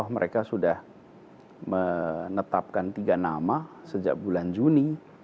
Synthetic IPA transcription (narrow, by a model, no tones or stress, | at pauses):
ɔhməɾʔekasudah | mənət̪ap̚kant̪iɡana̰masəd͡ʒa̰k̚buland͡ʒuni